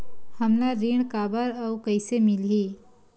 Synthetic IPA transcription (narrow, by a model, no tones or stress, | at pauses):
hɐmnaɾiːɳkaːbəɾɐkɐɪsemɪliː